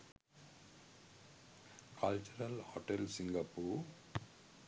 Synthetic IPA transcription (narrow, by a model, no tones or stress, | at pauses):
kʰɐlt͡ʃuɾɐlhoʈelsiŋɡɐpuːɾ